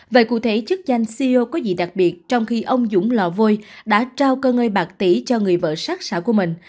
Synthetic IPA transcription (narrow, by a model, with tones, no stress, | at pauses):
və̰ː˧˨jkṵ˧˩t̪ʰe˨˦t͡ɕɨ˦˥k̚za˧jŋ̟si˧o˧kɔ˨˦zḭ˧˨ɗa˨˩k̚ɓi˨˩ət̚t͡ɕɔ˧wŋ͡mxi˧ʔə˧wŋ͡mzʊ̰˧˥ŋ͡mlɔ̰˧˩vo˧jɗa̰ː˧˥t͡ɕaː˧wkəː˧ŋəː˧jɓaː˨˩k̚t̪i˧˩t͡ɕɔ˧ŋɨ˨˩əjvə̰ː˧˨sa˦˥k̚sa̰ː˧˩ku˧˩əmï˨˩ŋ̟